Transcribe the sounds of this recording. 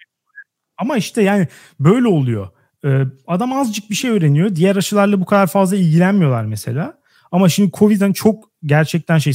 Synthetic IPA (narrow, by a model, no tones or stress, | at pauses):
amaiʃt̪ʰɛjaːnɪ | bø̞jlʲɛo̞lˠujo̞̰ | ɯːad̪amazd͡ʒɯk̚biʃe̞jøːɾe̞nijo̞d̪ijæɾaʃɯlˠaɾlˠabukʰad̪aɾfazlˠailʲɟilʲænmijo̞lˠaɾmese̞̰lʲaː | amaʃimd̪ikʰo̞vid̪ænt͡ʃʰo̞k̚ | ɟæɾt͡ʃʰɛc̚t̪ʰænʃe̞j